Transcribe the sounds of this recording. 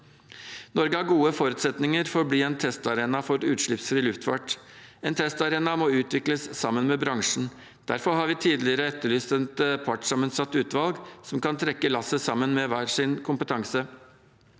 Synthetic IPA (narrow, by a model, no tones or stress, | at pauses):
nɔɾɡəhɑɾɡuːəfɔɾʉːt̪sɛt̪nɪŋəɾfɔɾbliːɛːnt̪ʰɛst̪ɑɾeːnɑfɔɾʉːt̪ʂɭɪpsɾiːlʉft̪fɑʈɛːnt̪ʰɛst̪ɑɾeːnɑmoːʉːt̪ʋɪkləsːɑmːənmeːbɾɑŋʂɳ̩ | d̪̥æɾfɔɾhɑːɾʋiːt̪ʰiːd̪lɪəɾəɛt̪ːəɭyːst̪ənt̪pʰɑʈsɑmənsɑt̪ːʉːt̪ʋɑlɡsɔmkɑnt̪ʰɾɛkːəlɑsəsɑmːənmeʋæːɾʂɪnkʰʊmpət̪ʰɑŋsə